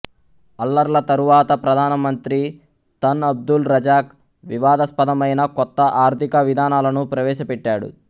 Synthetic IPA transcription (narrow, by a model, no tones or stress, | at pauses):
ɐlːɐɾlɐt̪ɐɾuʋaːt̪ɐpɾɐd̪ʱaːnɐmɐnt̪ɾi | t̪ɐnɐb̚d̪ulɾɐd͡ʒaːk | ʋiʋaːd̪ɐspɐd̪ɐmɐjnɐkɔt̪ːɐʔaːɾt̪ʰikɐʋid̪ʱaːnaːlɐnupɾɐʋɛːʃɐpɛʈːaːɽṵ